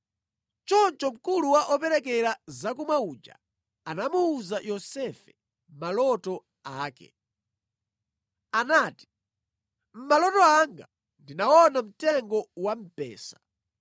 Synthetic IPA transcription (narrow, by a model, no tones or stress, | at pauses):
t͡ʃɔnt͡ʃɔm̩kuluwaʔɔpɛɾɛk̬ɛɾazakumaud͡ʒa̰ | anamuːzajɔsɛfɛ̥ | m̩malɔtɔ | aːkɛ̰ | anaːti̥ | m̩malɔtɔaŋɡa̰ | ndinaɔnam̩tɛŋɡɔwam̩pɛ̰ːsḁ